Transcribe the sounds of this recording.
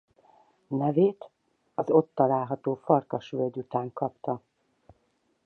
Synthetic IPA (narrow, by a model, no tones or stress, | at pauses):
nɛveːt̪ | ɒzo̞t̪ːɒlaːlɦɒt̪oːfɒrkɒʃʋølɟ̪ut̪aːŋkɒpt̪ɒ